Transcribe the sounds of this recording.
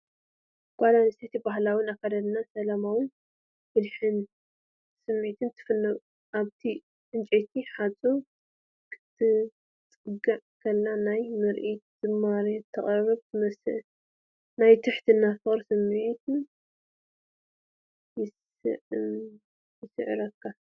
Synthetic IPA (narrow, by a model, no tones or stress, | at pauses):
ɡ̥ʷʼad̪anɨset̪ibaɦlawʊnakʰad̪ɐd̪nasɐlamawɨn | fɨlħɨn | sɨmːit̪ʰɨnt̪ʰɨ̥fɨnːɨɣ | ʔaβt̪ʰi | ʔɨnt͡ʃʼet̪ʰiħat͡sʼo | kʰɨ̥t̪ʰːɨ | t͡sʼɨɡaʕkʰɐlːanajmɨɾʔit̪d̪̥ɨmːaɾet̪ʰːɐχʼɐɾɐɾɐβzɨmɐsɨ̰ | najt̪ʰɨħt̪ʰinːafɨχʼɾsɨmːit̪ʰɨn | jɪs | ɨ̰ | jɪsɨ̰ʕ̰ɾɐkʰːa